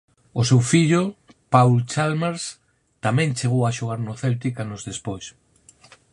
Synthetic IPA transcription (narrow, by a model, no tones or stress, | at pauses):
ʊsewfiʎʊ | pawlt͡ʃalmeɾs | t̪amɛ̃ŋt͡ʃeɣowaʃoɣ̞aɾnʊθelt̪ikanʊzðespojs